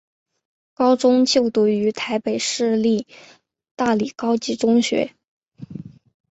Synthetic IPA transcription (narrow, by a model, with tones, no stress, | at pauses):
kɑ˥ʊʈ͡ʂʊ˥ŋt͡ɕjo˥˧ʊt̪u˥˩y˧˥t̪ʰa˧˥ɪpe˨˩ɪʂɻ̩˥˧li˥˩ | t̪a˥˩li˨˩kɑ˥ʊt͡ɕi˧˥ʈ͡ʂʊ˥ŋɕɥɛ̰˧˥